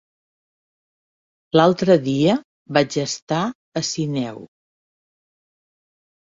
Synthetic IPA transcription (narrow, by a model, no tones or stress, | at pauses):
lalˠt̪ɾəðiə | βad͡ʒəst̪a | əsinɛw